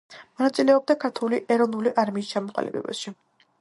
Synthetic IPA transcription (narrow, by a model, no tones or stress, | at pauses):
mɔnat̪sʼilɛɔb̚d̪akʰaɾt̪ʰuliʔɛɾɔvnuliʔaɾmiːst͡ʃʰamɔqʼa̰lḭbɛ̰bɛ̰ʃi